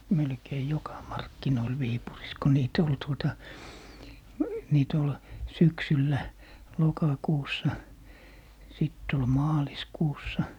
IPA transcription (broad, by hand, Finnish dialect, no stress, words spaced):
melkei jokɑ mɑrkːinoil ʋiːpuris ko niːt ol tuotɑ niːt ol syksylːæ lokɑkuːsːɑ sitː ol mɑːliskuːsːɑ